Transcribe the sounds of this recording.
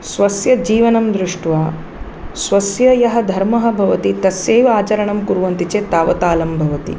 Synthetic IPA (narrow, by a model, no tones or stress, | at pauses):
sʋɐsjɐd͡ʒiːʋɐnɐmd̪ɾuʂʈʋaː | sʋɐsjɐjɐɦɐ̆d̪ʱɐɾmɐɦɐ̆bʱɐʋɐt̪it̪ɐsjeːʋɐaːt͡ʃɐɾɐɳɐmkuɾuʋɐnt̪it͡ʃeːt̪aːʋɐt̪aːlɐmbʱɐʋɐt̪ḭ